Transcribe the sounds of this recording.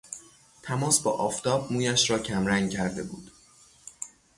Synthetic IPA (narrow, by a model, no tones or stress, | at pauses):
t̪ʰæmɒːsbɒ̰ːʔɒːft̪ʰɒːb̚muːjæʃɾɒːcʰæmɾæŋɡ̚cʰæɾd̪e̞̰bṵːd̪̥